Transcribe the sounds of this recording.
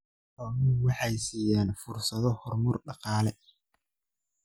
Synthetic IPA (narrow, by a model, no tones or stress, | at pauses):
ɔːmʊnwɑħɑjsiːjaːnfʊrsɐðɔhɔrmʊrɖɑqɑːlɛ